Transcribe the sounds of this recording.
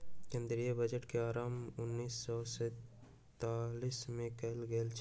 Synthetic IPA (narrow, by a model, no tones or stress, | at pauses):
kẽːnd̪ɾijəbəd͡ʒəʈkeaːɾaːmʊnːiːsːɔsɛ | t̪aːlismẽkɐɦlɡelt͡ʃʰ